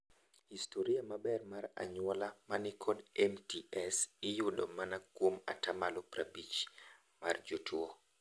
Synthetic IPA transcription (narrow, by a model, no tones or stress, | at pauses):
histʰoɾiamabɛrmaɾa̰ɲwɔlamanɪkʰɔdɛmtiɛsɪjʊdomanakwoma̰tamalɔpɾabit͡ʃ | mard͡ʒotʰuo